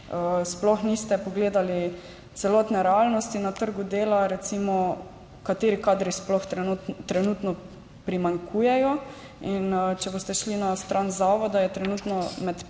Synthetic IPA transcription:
əsplɔxnist̪ɛpɔɡleːd̪ali | t̪sɛlɔt̪nɛɾɛalnɔst̪inat̪əɾɡud̪eːlaɾɛt̪simɔ | kat̪eːɾikaːd̪ɾisplɔxt̪ɾɛnuːt̪nɔ | pɾimaŋkʰujɛjɔ | int͡ʃɛbost̪ɛʃlinast̪ɾʔanzaːʋɔd̪ajɛt̪ɾɛnut̪nɔmɛt̪

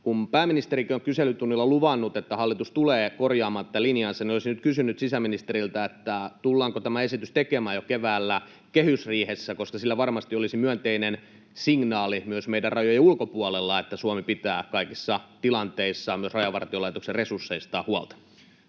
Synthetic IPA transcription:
kumpæːmːinist̪eɾikioŋkyselːˑyt̪unːilːɑluʋɑnːut̪et̪ːæhɑlːit̪ust̪uleːkorjɑːmɑːnt̪ːælinjɑːnseniolisinyt̪kysynyt̪sisæminist̪eɾilt̪æet̪ːæt̪ulːɑːŋkot̪æmæesit̪yst̪ekemæːjokeʋæːlːæ | kehysriːhesːækoskɑsilːæʋɑrmɑst̪iolisimyønt̪einen | siŋnɑːlimyøsmeidærrɑjojɑulkopuɑlelːɑet̪ːæsuɑmipit̪æːkɑikisːɑt̪ilɑnt̪eisːɑmyøsrɑjɑʋɑ̰rt̪iolɑit̪okserresursːeist̪ɑːhuɑ̰lt̪ɑ̥

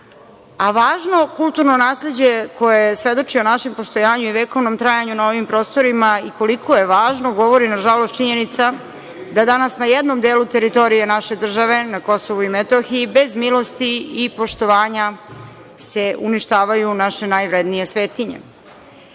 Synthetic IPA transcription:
aʋaːʒno̞kulˠt̪uɾno̞naːsle̞d͡ʑe̞ko̞jojjesʋe̞d̪o̞t͡ʂionaʃe̞mpo̞st̪o̞jaːɲuiʋeko̞ʋnomt̪ɾajaɲunao̞ʋimpɾo̞ːst̪o̞ɾimaiko̞likʰoje̞ʋaːʒno̞ɡo̞ʋo̞ɾinaʒalost̪̚t͡ʃiɲe̞nit̪sa | d̪ad̪anasnajed̪no̞md̪eːlut̪e̞ɾit̪o̞ɾijenaʃe̞d̪r̩ʒaʋe̞nako̞so̞ʋuimet̪oxiːbe̞zmilo̞st̪iipo̞ʃt̪o̞ʋaːɲa | se̞uniʃt̪aːʋajunaʃe̞najʋɾe̞d̪nije̞sʋe̞ːt̪iɲḛ

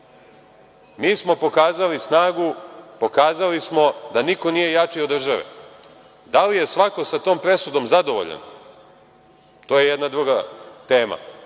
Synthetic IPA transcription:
miːsmo̞po̞kaːzalisnaːɡupo̞kaːzalismo̞d̪aniko̞niːje̞jat͡ʂio̞d̪r̩ʒaʋḛ | d̪alije̞sʋako̞sat̪o̞ːmpɾe̞sud̪o̞mzad̪oʋo̰ʎa̰n | t̪oːjejed̪nad̪ɾuɡat̪e̞ːma̰

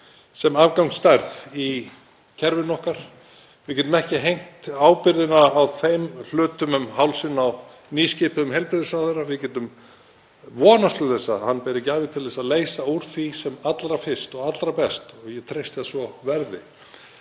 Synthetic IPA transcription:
sɛmavkawŋst̪ajɾθi | cʰɛɾvɪnɔhkaɾ̥ | vɪðcɛːt̪ʏmɛhcɪɦejŋ̥t̪aːwpɪɾðɪnaːwθejml̥ʏːt̪ʏmʏmɦawlsɪnaw | niscɪpɪðʏmɦɛlpɾɪɾðɪsaðeɾːavɪðcɛːt̪ʏm | vɔːnast̪lʏθɛsːa̰hanpɛɾɛcɪaːvɪt̪ʰɪlɛsaðleːjsauɾ̥θisɛmat̪lɾafɪ̥st̪ɔɣat̪lɾapɛst̪ɔɣjɛt̪ʰɾejst̪ɪðsvɔvɛɾðɪ̰

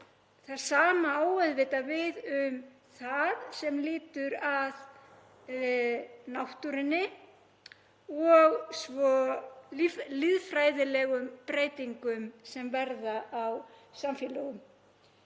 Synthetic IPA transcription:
θaɾ̥saːmaaːwœðvɪt̪avɪðʏm | θaðsɛmlɪːt̪ʏɾað | nawht̪uɾɪnːɪ | ɔɣsvɔ | lɪðfɾaːjðɪlɛɣʏmpɾeːjt̪iŋkʏmsɛmvɛɾðaʔawsamfjɛːlœɣʏm

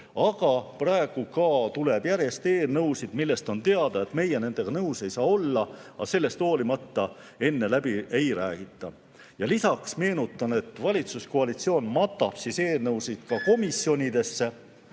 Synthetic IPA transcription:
ɑɡ̥ɑprɑe̞ɡ̥ukɑt̪uleb̥jæɾje̞st̪e̞ːlnɤwsid̪̥milːe̞st̪o̞nt̪e̞ɑd̪̥ɑe̞t̪me̞jene̞nd̪̥e̞ɡ̥ɑnɤwse̞jsɑːo̞lːɑɑ̰se̞lːe̞st̪o̞ːlimɑt̪ːɑ | e̞nːe̞læbiʔejɾæːɡ̥it̪ːˑɑ | jɑlisɑksme̞ːnut̪ːˑɑne̞t̪ːˑvɑlʲit̪suskoɑlit̪sio̞ːnmɑt̪ːˑɑb̥sise̞ːlnɤwsid̪̥kɑko̞misjo̞nʲid̪e̞sːe̞

